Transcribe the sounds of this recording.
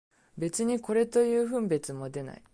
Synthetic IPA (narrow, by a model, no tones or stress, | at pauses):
be̞t͡sɨɲ̟iko̞ɾe̞t̪o̞jɯ̟ːɸɯ̟̃mbe̞t͡sɨmo̞d̪e̞na̰i